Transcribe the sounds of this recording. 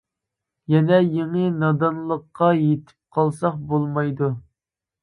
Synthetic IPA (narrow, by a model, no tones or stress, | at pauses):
jɛnɛjeŋənɑd̪ɑnlˠəqːɑjet̪ʰɪ̥p̚qʰɑlˠsɑχbolˠmɑjd̪u